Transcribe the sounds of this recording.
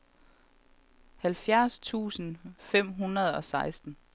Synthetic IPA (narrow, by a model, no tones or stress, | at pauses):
hælfjæɐst͡sʰṵːsn̩fem̰ɦunɐð̞̩ˠɒ̽sɑ̈ɪsd̥n̩